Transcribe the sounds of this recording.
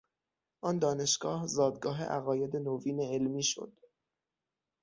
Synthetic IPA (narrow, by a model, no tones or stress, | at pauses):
ʔɒːnd̪ɒːne̞ʃɡ̥ɒːhzɒːd̪ɡɒːɦḛʔæ̰ɣɒːje̞d̪e̞noviːneelmiːʃo̰d̪̥